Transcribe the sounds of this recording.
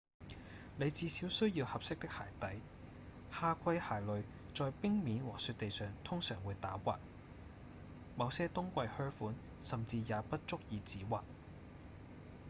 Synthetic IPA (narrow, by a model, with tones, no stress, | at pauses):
ne˨˧jt͡siː˨˧siː˨˥wsɵ˥ɥjiː˧whɐ˨p̚sɪ˥k̚t̪ɪ˥k̚haː˨˩jt̪ɐ˨˥j | haː˧kʷʰɐ˥jhaː˨˩jlɵ˨ɥ | t͡ʃɔː˨jpɪ˥ŋmiː˨˥nwɔː˨˩ksyː˧t̪̚e˨jsœː˨ŋt̪ʰʊ˥ŋsœː˨˩ŋwuː˨˧jt̪aː˨˥wʷaː˨k̚ | mɐ˨˧wsɛː˥t̪ʊ˥ŋkʷɐ˧jhœː˥fuː˨˥n | sɐ˨mt͡siː˧jaː˨˧pɐ˥t̚t͡ʃʊ˥k̚jiː˨˧t͡siː˨˥waː˨k̚